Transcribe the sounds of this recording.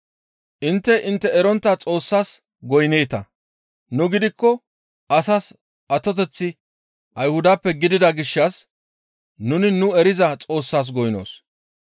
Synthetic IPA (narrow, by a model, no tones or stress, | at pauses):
ʔɪnt̪ːɛʔɪnt̪ːɛɛɾɔnt̪ːɐt͡sʼo̞ːsːaːs | ɡɔjneːt̪ɐ | nʊɡɪd̪ɪkːɔ | ʔɐsas | ʔɐt̪ːɔt̪ɛt͡sːɪ | ʔɐjhʊd̪apːɛɡɪd̪ɪd̪ɐɡɪʃːɐs | nʊnɪnʊɛɾɪzɐt͡sʼo̞ːsːaːs̬ɡɔjno̰ːs